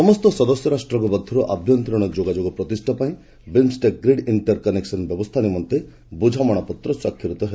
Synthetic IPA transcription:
sɔmɔst̪ɔsɔd̪ɔsjɔɾasʈɾɔŋk̬ɔbɔd̪ʱːɔɾuʔabʱjɔnt̪ɾɔɽ̃ɔd͡ʒoɡad͡ʒoɡɔpɾɔt̪isʈʰapaĩ | bensʈeɡɾeɖiɳʈɔɾkɔneksɔnbjɔbɔst̪ʰanimɔnt̪e | bud͡ʒʱamɔɽ̃apɔt̪ɾɔswakʰjiɾut̪ɔɦel

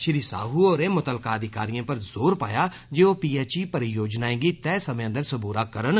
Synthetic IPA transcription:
ʃɪɾisa̰ːɦuːɔːɾeːmʊt̪əlkaːəd̪ʱɪkaːɾijãːpəɾzoːɾpa̰ːjaː | d͡ʒeːoːpiːɛːt͡ʃiːpəɾjoːd͡ʒnaːẽːɡit̪ɛːsəmẽːə̃nd̪əɾsəbuːɾaːkəɾən

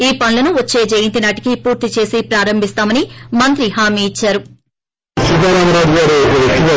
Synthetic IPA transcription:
iːpɐnlɐnuʋɐt͡ʃːe̞ːd͡ʒɐjint̪̬inaːʈi̥kipuːɾt̪it͡ʃe̞ːsipɾaːɾɐmbʱist̪aːmɐnimɐnt̪ɾiɦaːmiːt͡ʃːaːɾu | sid̪aːɾaːmɾaːd͡ʒ̪iɡaːɾeit̪ːiʋɐ

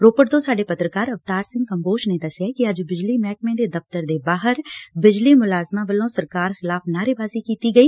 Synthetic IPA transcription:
ɾoːpəʈ̚d̪õːsaːɖeːpət̪ɾəkaːɾəft̪aːɾsɪ̃ŋɡkəmboːʃneːd̪əsɪjaːkɪəd͡ʒbɪd͡ʒliːmɛːk̚mẽːd̪eːd̪əft̪əɾd̪eːbaːɦəɾbɪd͡ʒliːmʊlaːzmãːʋəlõːsəɾkaːɾxɪlaːpʰnaːɾeːbaːziːkiːt̪iːɡəiː

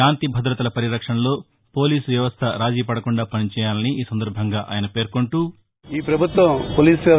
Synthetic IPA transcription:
aːnt̪ibʱɐd̪ɾɐt̪ɐlɐpɐɾiɾɐkʂɐnɐlo̞ː | poːliːsʋjɐʋɐst̪ʰɐɾaːd͡ʒiːpɐɽɐkuɳɖaːpɐnit͡ʃɛːjaːlɐniiːsɐnd̪ɐɾbʱɐŋɡaːʔa̰ːjɐnɐpe̞ːɾkoɳʈuː | iːpɾɐbʱut̪ʋɐmpoːliːsʋjɐ

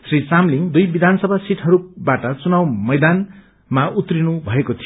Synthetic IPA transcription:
srit͡samliŋd̪ujbid̪ʱansʌbʱasiʈʰɦʌɾubaʈʌt͡sunawmʌjd̪an | maut̪rinubʱʌekot̪ʰijo

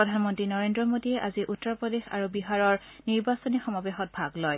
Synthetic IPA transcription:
ɔdʱanmɔntɹinɔɹendɹɔmodiɛʔaziʔutːɔpɹɔdexa̰ɹubiɦaɹɔɹ | niɹbasɔnixɔmabexɔt̚bʱaɡlɔj

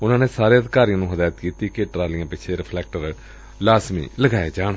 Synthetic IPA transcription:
ʊnãːneːsaːɾeːəd̪ɪkaːɾijãːnũːɦəd̪aːjət̪kiːt̪iːkeʈɾaːlɪãːpɪt͡ʃʰeɾɪpʰlɛːk̚ʈəɾ | laːsmḭːləɡaːed͡ʒaːɳ

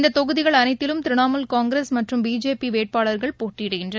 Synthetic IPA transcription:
nd̪ɐt̪ːɔɣɯðɪɣɐɭɐnɐɪt̪ːɪlɯmt̪ɪɾɪɳaːmɐlkaːŋɡɾeːsmɐʈrɯmbiːd͡ʒeːpiʋeːʈ̚paːɭɐɾɣɐɭpoːʈːɪɽɯɣɪndrɐn

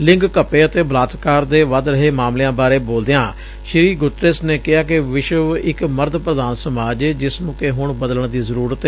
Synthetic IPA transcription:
lɪ̃ŋɡkəpeːət̪eːbəlaːt̪kaːɾd̪eːʋəd̪ɾəɦeːmaːmleːãːbaːɾeːboːld̪ejãː | ʃɪɾiːɡʊt̪ɾesneːkɪɦaːkɪʋɪʃəʋɪkməɾd̪pɾəd̪aːnsəmaːd͡ʒd͡ʒɪsnũːkeɦʊɳbəd̪ələɳd̪iːzəɾuːɾət̪ː

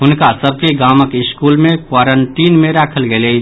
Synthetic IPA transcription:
ɦʊnkasəb̚ʱkeɡaːməkɪskuːlmẽkwaːɾəɳʈiːnmẽɾaːkʰəlɡele

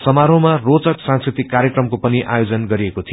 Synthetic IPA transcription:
sʌmaɾõmarot͡sʌksãŋskrit̪ikːaɾjekrʌmkopʌniʔa̰jod͡zʌnɡʌɾiekot̪ʰi

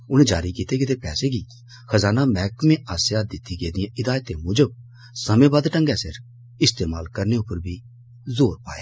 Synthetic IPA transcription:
ʊnẽːd͡ʒaːɾiːkiːt̪eːkɪt̪eːpɛːseːɡiː | xʰəzaːnaːmɛːkmẽːʔaːsjaːd̪ɪt̪ːiːɡeːd̪ɪjãːʔɪd̪aːjət̪ẽːmʊd͡ʒə | səmẽːbaːd̪ʈə̃ŋɡɛːsɪɾ | ɪst̪eːmaːlkəɾneːʊpːəɾbʱiː | zoːɾpa̰ːḛː

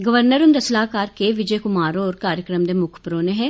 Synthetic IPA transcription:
ɡɐʋəɾnəɾʊnd̪ɐslaːkaːɾkeʋɪd͡ʒəjkʊmaːɾõɔːɾkaːɾjəkɾəmd̪emʊkʰpɾoːneɦɛ̃ː

